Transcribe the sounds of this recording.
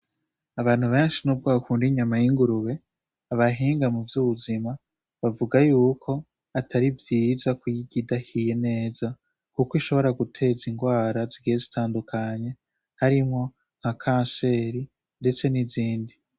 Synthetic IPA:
aβaːn̥huβe̞ːnʃinub̚ɡwaːkuːndiɲamajiŋɡuɾuβe̞ | aβaɦiːŋɡamuvjuːβuzima | βavuɡajuːkʰo̞ | atʰaɾivjiːzakwujiɡidahije̞ne̞ːz̥a | kukiʃo̞βo̞ɾaɡutʰe̞ziŋɡwaːɾaziɡijezitʰaːndukʰaɲe̞ | haɾimŋo̞ | ŋ̥hakʰãːnse̞ːɾi | nde̞t͡se̞niziːndi

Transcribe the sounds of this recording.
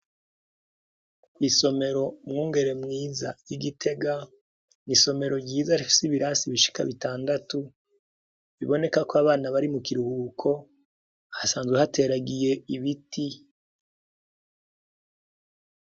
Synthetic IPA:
iso̞me̞ɾo̞mŋuːŋɡe̞ɾe̞mŋiːza̰jiɡitʰe̞ɡa | niso̞me̞ɾo̞ɟiːzasiβiɾasiβiʃi̥ka̰βitaːndatu | βiβo̞ne̞kakoaβaːnaβaɾimukiɾuhuːkʰo̞ | hasaːnzɡwehate̞ɾaɡije̞iβiti

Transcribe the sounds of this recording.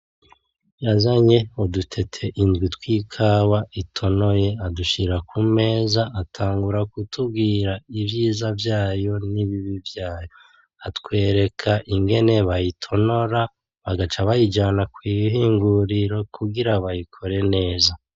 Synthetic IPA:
jazaɲe̞odutʰe̞tʰe̞ʔindɡwitwiːkʰaːwaitʰo̞no̞je̞aduʃiɾakʰume̞ːzaʔːtʰaːŋɡuɾakutʰub̚ɡiːɾaivjiːzavjaːjo̞niβiβivjaːjo̞ | atkwe̞ːɾe̞kʰaʔiŋɡe̞ne̞βajitʰo̞no̞ɾa | βaɡat͡ʃaβajid͡ʒanakwiːɦiːŋɡuɾiɾo̞kuɡiɾaβajikʰo̞ɾe̞ne̞ːza

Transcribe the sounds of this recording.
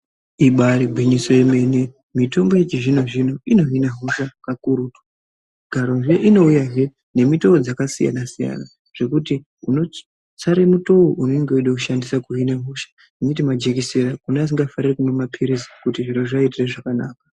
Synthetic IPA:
iɓaɾibʱwiɲiso̞jeme̞ne | mito̞mbo̞jet͡ʃiʐino̞ʐino̞ino̞ɦinaɦoʃakakuɾutu̥ | ɡʱaɾo̞nʐeʔino̞ujaɦe | ne̞mitood͡zakasija̰nasija̰na | ʐ̥e̞kuti | uno̞ | t͡saɾemuto̞woʔuneŋɡeuiɗekuʃandisakuɦinaɦoʃḁ | initimad͡ʒekiseɾakuneas̬iŋɡafarirekumemapʰiɾizi̥kutiʐiɾoʐaitireʐakanaːkḁ

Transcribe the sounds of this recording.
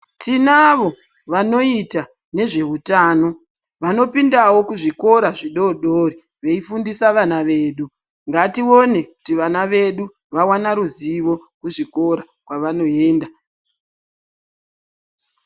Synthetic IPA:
tʰinaʋo̞ | ʋano̞ita | ne̞ʐe̞ɦutaːno̞ | ʋano̞pindawo̞kuʐiko̞ɾaʐiɗo̞ɗori | ʋe̞ifundisaʋanaʋe̞ːɗu | ŋɡatio̞ne̞ku̥tiʋanaʋe̞ɗu | ʋawanaɾuziʋo̞kuʐiko̞ɾa | kwaʋano̞eːnda

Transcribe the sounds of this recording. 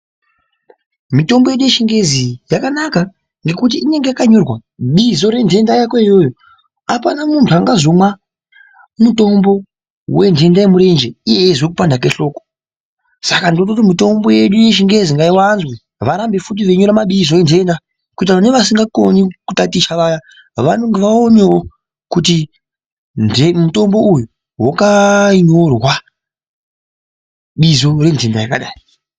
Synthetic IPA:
mito̞mbo̞je̞ɗuje̞ʃiŋɡe̞zijakanaka | ŋɡe̞kut̬iine̞ŋɡeakaɲorwaɓizo̞ɾe̞ndʱe̞ndajakwaijo̞ːjo | apanamuntʰuaŋɡazo̞mwa | muto̞mbo̞ | we̞ndʱe̞ndajemuɾe̞nd͡ʒeijeʐwekupandakwe̞ɬo̞ːko | sakandinotot̬imito̞mbo̞je̞ɗuje̞ʃ̬iŋɡe̞ziŋɡaiwanzwe | ʋaɾambe̞fut̬iʋeɲo̞ɾamaɓizo̞jend͡ʒe̞nda | kut̬aaneʋas̬iŋɡakonikutatit͡ʃaʋaja | ʋano̞ŋɡe̞ʋaonewo | kuti | nemuto̞mbo̞uju | wakaɲorwa | ɓizo̞re̞nzendajakaɗa̰ːji

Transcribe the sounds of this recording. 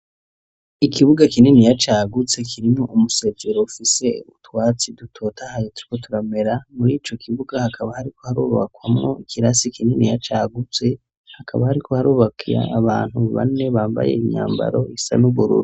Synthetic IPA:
ikʰiβuɡakininijat͡ʃaːɡut͡se̞kʰiɾimŋo̞ʔumuse̞zeɾo̞ufise̞utwaːt͡sidutʰo̞ːtʰahajotu̥ɾikotʰuɾame̞ɾamuɾiːt͡ʃo̞kʰiβuɡahakʰaβahaɾikʰo̞haɾuːβa̰kwa̰mŋo̰ikʰiɾasikʰininijat͡ʃaːɡut͡se̞ | hakʰaβahaɾikʰo̞haɾuːβakija̰ːβaːn̥huβa̰ne̞βaːmba̰je̞̰iɲa̰ːmba̰ɾo̞isa̰nuβuɾṵɾu

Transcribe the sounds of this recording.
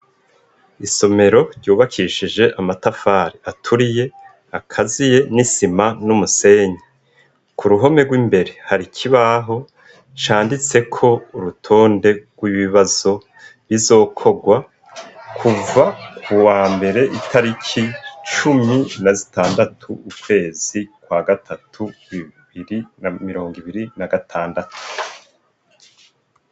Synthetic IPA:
iso̞me̞ɾo̞ɾɟuːβakʰiʃid͡ʒe̞ʔamatafaːɾiatʰuɾije̞ | akʰazije̞nisimanumuse̞ːɲe | kʰuɾuɦo̞me̞ɡwiːmbe̞ɾe̞haɾikʰiβaɦo̞ | t͡ʃaːndit͡se̞kʰo̞uɾutʰo̞ːnde̞ɡ̥wiβiβazo̞ | βizo̞ːkʰo̞ɡwa | kʰuvakʰuwaːmbe̞ɾe̞ʔitʰaɾikʰit͡ʃuminazi̥taːndatʰuukwe̞ːz̥ikwaɡatʰatʰuwiβiɾinamiɾo̞ːŋɡiβiɾinaɡatʰaːndatu̥

